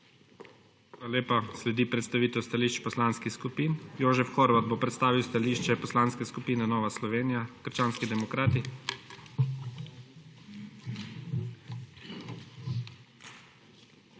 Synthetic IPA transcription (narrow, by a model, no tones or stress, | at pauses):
aaleːpaslɛd̪ipɾɛt̪st̪aʋiːt̪ɛwst̪aliʃt͡ʃpɔslaːnskixskupiːnjoːʒɛfxoɾʋad̪̚boːpɾɛt̪st̪aːʋiwst̪aliːʃt͡ʃɛpɔslaːnskɛskupiːnɛnɔːʋaslɔʋeːnijakəɾt͡ʃaːnskid̪ɛmɔkɾaːt̪i